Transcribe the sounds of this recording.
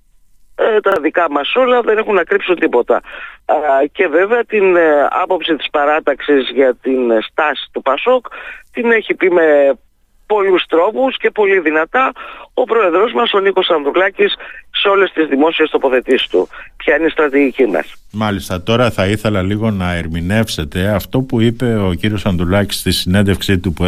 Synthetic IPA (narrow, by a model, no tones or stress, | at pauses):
t̪ɐðikɐmɐso̞lɐðe̞ne̞xunːɐkɾipsunt̪ipo̞t̪ɐ̰ | ce̞ve̞veɐt̪inɐ̰po̞psit̪ispɐɾɐt̪ɐksizʝɐt̪inst̪ɐsi̥t̪upɐso̞kt̪ine̞çipime̞ | po̞lust̪ɾo̞pusce̞po̞liðinɐt̪ɐo̞pɾo̞e̞ðɾo̞zmɐso̞niko̞sɐnd̪ɾulɐcisːeo̞le̞st̪izðimo̞sie̞st̪o̞po̞θe̞t̪ist̪ṵpçɐineist̪ɾɐt̪iʝicimɐ̰smɐlist̪ɐt̪o̞ɾɐθɐiθe̞lɐliɣo̞nɐe̞ɾmine̞fse̞t̪e̞ɐft̪o̞puipe̞o̞ciɾio̞sɐnd̪ɾulɐci̥st̪isine̞nd̪efksit̪up